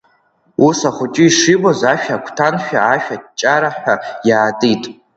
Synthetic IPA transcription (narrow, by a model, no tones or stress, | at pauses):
usaχʷʊt͡ʃʼɪiʂibozaʃᶣakʷʰtʰanʃᶣaːʃᶣat͡ʃʼaɾaħʷᶣajaːtʼitʼ